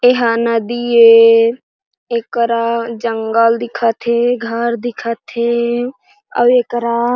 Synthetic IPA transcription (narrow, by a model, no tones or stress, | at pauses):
eɦaːnad̪ie | ekɾad͡ʒəŋɡəld̪ɪkʰat̪ʰeɡʱəɾd̪ɪkʰat̪ʰe | ə̰beːkɾa